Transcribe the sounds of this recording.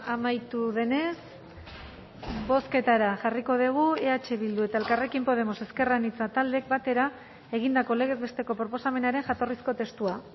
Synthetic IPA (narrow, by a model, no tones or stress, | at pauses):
amajt̪uðe̞ne̞s | bo̞ske̞t̪aɾaʝariko̞ðiɣ̞ue̞at͡ʃe̞βild̪ue̞t̪ae̞lkare̞kimpo̞ð̞e̞mo̞se̞ske̞ranit͡sat̪ald̪ek̚bat̪e̞ɾa | e̞ɣ̞ind̪ako̞le̞ɣ̞e̞zβe̞st̪e̞ko̞pɾo̞po̞same̞naɾe̞ŋʝat̪o̞risko̞t̪e̞st̪ua